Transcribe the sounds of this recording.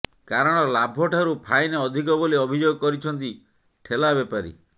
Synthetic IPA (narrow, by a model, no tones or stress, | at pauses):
kaɾɔɽ̃ɔlabʱɔʈʰaɾupʰajneɔd̪ʱikɔboliɔbʱid͡ʒoɡɔkɔɾit͡ʃʰɔnt̪̬i | ʈʰelabepaɾḭ